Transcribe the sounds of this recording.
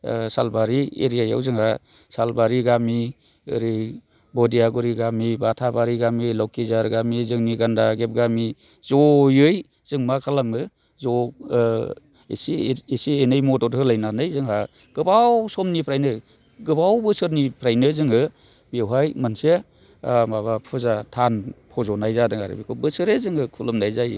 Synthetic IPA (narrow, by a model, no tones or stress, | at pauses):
salbaɾiḛɾijaja̰wzɯŋha | salbaɾiɡami | ɯ̰ɾi | bɔdijaɡɔɾiɡamibatʰabaɾiɡamilɔwkizaɾɡamizɯŋniɡandaɡep̚ɡami | zɔjɯj | z̥ɯŋmakʰalamɯ | zɔ | ḛsiesienɯjmɔtɔtɦɯlajnanɯjzɯŋɦa | ɡ̥ɯbawsɔmnipʰɾajnɯ | ɡɯbawbɯsɯɾnipʰɾajnɯzɯŋɯ | bewɦajmanse | a̰maβapʰɯzatʰanpʰɔzɔnajzadɯŋa̰ɾɯ̰bikʰɔbɯsɯɾezɯŋɯkʰulɯmnajzaj